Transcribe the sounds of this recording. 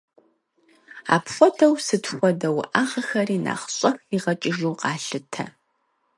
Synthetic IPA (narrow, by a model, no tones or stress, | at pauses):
a̰ːpxʷɔdɐwsɨtxʷɔdɐw̰ʔaːʁɐxɐɾiːna̰ːχɕʼɐxiʁɐt͡ʃʼɪʒuːqɑːɬɨtʰɐ̰